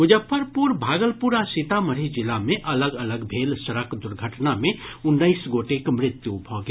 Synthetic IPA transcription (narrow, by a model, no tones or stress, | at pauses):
ɡʊd͡ʒəpʰəɾpuɾbʱaːɡəlpuɾasit̪aməɾid͡ʒɪlamẽʔɐləɡələɡbʱeːlsəɾəkd̪ʊɾɡʱəʈnamẽʊnːəisɡoʈekmɾɪt̪jubʱɔɡe